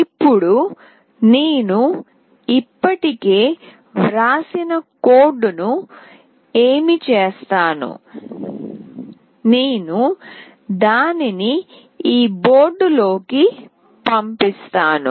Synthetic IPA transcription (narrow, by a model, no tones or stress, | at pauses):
ipːuɽu | neːnu | ipːɐʈike̞ː | ʋɾaːsinɐkoːɾɖunu | eːmit͡ʃeːst̪aːnṵ | neːnu | d̪aːnini | iːbo̞ːɾɖulo̞ːki | pɐmpist̪aːnṵ